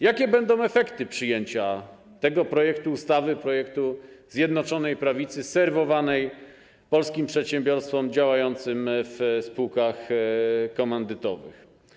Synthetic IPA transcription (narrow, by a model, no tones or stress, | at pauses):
jakʲɛbɛnd̪ɔ̃w̃ɛfɛkt̪ɘpʂɘjeɲt͡ɕa | t̪ɛɡɔpɾɔjɛkt̪uːst̪avɘpɾɔjɛkt̪uzʲjɛd̪nɔt͡ʂɔnɛjpɾavʲit̪sɘsɛɾvɔvanɛj | pɔlskʲimpʂɛt̪ɕɛ̃mbʲjɔɾst̪fɔmd͡ʑawajɔnt̪sɘmfspuwkax | kɔmɛnd̪ɘt̪ɔvɘ̰x